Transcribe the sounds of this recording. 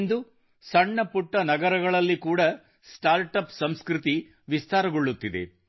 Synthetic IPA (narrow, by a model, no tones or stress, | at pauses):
nd̪u | sɐɳːɐpuʈːɐnɐɡɐɾɐɡɐɭɐlːikuːɽɐ | sʈaːɾʈɐpsɐmskɾut̪i | ʋist̪aːɾɐɡoɭːut̪ːid̪ḛ